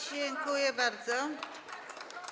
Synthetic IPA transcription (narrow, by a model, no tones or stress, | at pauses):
d͡ʑeŋkujɛbaɾd̪zɔ